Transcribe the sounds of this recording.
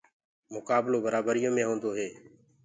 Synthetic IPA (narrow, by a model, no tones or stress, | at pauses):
mʊkaːbloːbəɾaːbəɾɪjõːmẽːɦõːnd̪oːɦeː